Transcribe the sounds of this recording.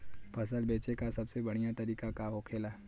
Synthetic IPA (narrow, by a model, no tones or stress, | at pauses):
pʰɐsəlbeːt͡ʃekasɐbsebɐɽ̤̃ijat̪ɐɾiːkakaɦokʰeːlaː